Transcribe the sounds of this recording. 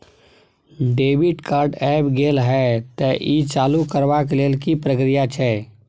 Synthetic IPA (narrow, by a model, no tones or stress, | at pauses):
ɖeːʋɪʈkaːɾɖɛːpɡeːlɦɛt̪ɛʔit͡ʃaːlukəɾwakleːlkipɾəkɾijat͡ʃʰɛː